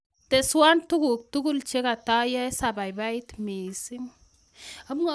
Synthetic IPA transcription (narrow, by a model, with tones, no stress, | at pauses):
tɛ˨swa˦ntu˦ku˨k̚tu˦ku˦lt͡ʃe˦ka˨ta˦ja˦sa˨ba˨jba˦i˦tmi˨si˦ŋ | a˦m˦ŋa˦